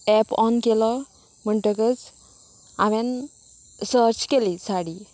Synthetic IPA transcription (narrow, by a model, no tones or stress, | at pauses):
ɛpɔnkelɔ | m̤əɳʈəkət͡s | aʋɛ̃n | səɾt͡ɕkelisaɽi